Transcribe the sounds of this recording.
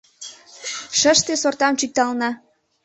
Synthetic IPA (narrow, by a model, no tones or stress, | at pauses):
ʃəʃt̪esort̪ɑmt͡ɕyk̚t̪ɑlnɑ